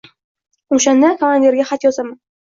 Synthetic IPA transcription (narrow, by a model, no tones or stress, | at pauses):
oʃand̪akʰamand̪ʲe̞ɾɡʲaχat̪jɒzaman